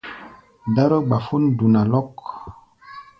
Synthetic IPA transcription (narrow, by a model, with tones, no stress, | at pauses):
da˦ɾo˦ɡ͡ba˨fu˦ndu˨na˨lɔ˦k